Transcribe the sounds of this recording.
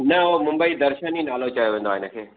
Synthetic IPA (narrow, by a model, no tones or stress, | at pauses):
nɐomʊ̃mbəid̪ɐɾʃəninaːlot͡ɕɐjoʋẽːnd̪aːɪnəkʰeː